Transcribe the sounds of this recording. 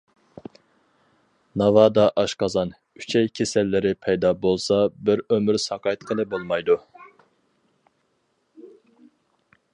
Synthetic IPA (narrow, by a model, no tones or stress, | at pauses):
nɑvɑːd̪ɑʔɑʃqɑzɑn | y̥t͡ʃʰɛjkʲʰesɛlːɪɾɪpʰɛjd̪ɑːbolˠsɑbɪɾømyɾsɑqʰɑt̪qʰəlˠɨbolˠmɑjd̪u